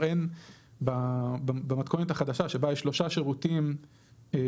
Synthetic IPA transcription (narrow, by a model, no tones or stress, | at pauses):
enbababamat̪kʰonet̪aχad̪aʃaʃe̞baeʃlo̞ʃaʃeʁutim